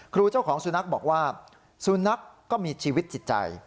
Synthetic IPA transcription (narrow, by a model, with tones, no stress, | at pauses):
kʰɾuː˧t͡ɕa˥˩wkʰɔː˩˦ŋsu˨˧na˦˥k̚bɔː˨˩k̚waː˥˩ | su˨˦na˦˥kːɔː˥˩miː˧t͡ɕʰiː˧wi˦˥t̪̚t͡ɕi˨˩t̪̚t͡ɕa̰˧j